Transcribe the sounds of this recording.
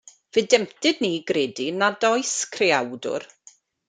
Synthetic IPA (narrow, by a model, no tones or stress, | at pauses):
vɨdɛmtɨdniːɡreːdinadɔjskʰreawdʊ̰r